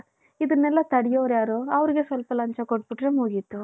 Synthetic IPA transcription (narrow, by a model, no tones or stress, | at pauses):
id̪ɐnːɛlːɐt̪ɐɽijoːʋɾjaːɾoːɐʋɐɾiɡe̞sʋɐlpɐlɐɲt͡ʃɐkoʈbiʈɾe̞muːɡit̪ːu